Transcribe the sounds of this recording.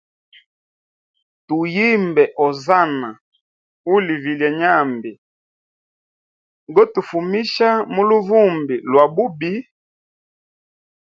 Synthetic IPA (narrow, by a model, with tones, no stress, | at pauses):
tu˨ji˦mbɛ˨ʔɔ˨za˦na˨ | u˦li˨vi˨lja˨ɲa˦˨mbi˨ | ɡɔ˦tu˨fu˨mi˦ʃa˦mu˦lu˦vu˦˨mbi˨lwa˨bu˦bi˦